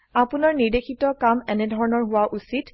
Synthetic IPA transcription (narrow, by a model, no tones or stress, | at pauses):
apʊnaɹniɹdexʰitɔkamɛnɛdʱɔɹɔnɔɹɦʊwaʔusit